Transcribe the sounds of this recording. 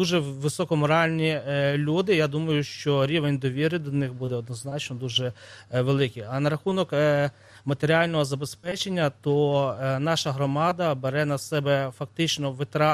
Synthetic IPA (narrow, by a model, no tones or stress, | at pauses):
uʒɛʋɪsɔkɔmɔɾɑlʲnʲilʲud̪ɪjad̪umɐjʊʃt͡ʃɔɾʲiʋenʲd̪ɔʋʲiɾɪd̪ɔnɪxbud̪ɛɔd̪nɔznɑt͡ʃnɔd̪uʒɛʋelˠɪkʲiɐnɐɾɐxunɔk | mɐt̪eɾʲiɑlʲnɔɦɔzɐbespɛt͡ʃenʲːɐt̪ɔnɑʃɐɦɾɔmɑd̪ɐbeɾɛnɐsɛbɛfɐk̚t̪ɪt͡ʃnɔʋɪt̪ɾɑ